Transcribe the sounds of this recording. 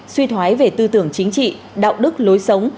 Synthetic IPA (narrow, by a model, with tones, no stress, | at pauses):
swi˧t̪ʰwaː˨˦jve˧˨˩t̪ɨ˧t̪ɨ˧˩əŋt͡ɕï˨˦ŋ̟t͡ɕḭ˧˨ | ɗa̰ː˧˨wɗɨ˦˥k̚lo˨˦jsə˨˦wŋ͡m